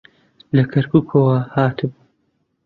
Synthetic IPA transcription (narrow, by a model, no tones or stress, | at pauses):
lɐkʰɐɾkuːkʰɐwɐhaːt̪ʰɨb